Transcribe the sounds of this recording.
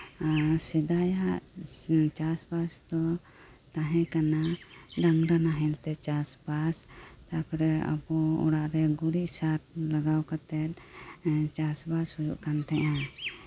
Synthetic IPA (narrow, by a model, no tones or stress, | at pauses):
sɛd̪ajaʔ | t͡ʃasbasd̪ɔ | t̪ãɦɛ̃kanaɾaŋɾanaɦɛlt̪ɛt͡ʃasbast̪apɔɾɛa̰bɔɔ̰ɽaʔɾɛɡuɾiʔsaɾlaɡawkat̪ɛt̪̚ | t͡ʃasbashud͡ʒṵʔkant̪ɛʔã